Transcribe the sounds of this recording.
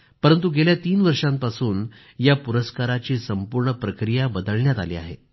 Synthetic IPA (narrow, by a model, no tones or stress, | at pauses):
pəɾənt̪̬uɡeljat̪iːnʋəɾʂãmpasuːn | japuɾəskaɾat͡ɕiːsəmpuɾɳəpɾəkɾijabəd̪əɭɳjat̪alḭːa̰ɦḛ